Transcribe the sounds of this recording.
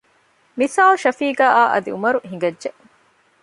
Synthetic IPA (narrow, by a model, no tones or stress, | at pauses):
misaːlʃɐfiːɡaːʔaːʔɐ̰d̪ḭumɐɾuɦĩŋɡɐdːʒeʔ